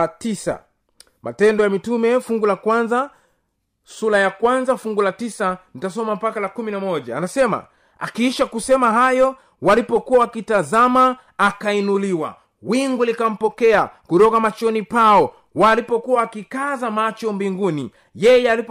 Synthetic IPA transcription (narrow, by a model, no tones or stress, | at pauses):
tisa̰ | mʔa̰tɛndɔjamitumɛfuŋɡulakwanza | sulajakwanzafuŋɡulatisanitas̬ɔmam̩pakalakuminamɔʄaːnasɛma̰ | a̰kiiʃakusɛmaɦajɔ | walipɔkuwawakitazamaː | kainuliwa̰ | wiŋɡulikam̩pɔkɛakuɾɔkamat͡ʃɔnipaɔ | walipɔkuwaːkikazamat͡ʃɔmbiŋɡunḭ | jɛjɛalip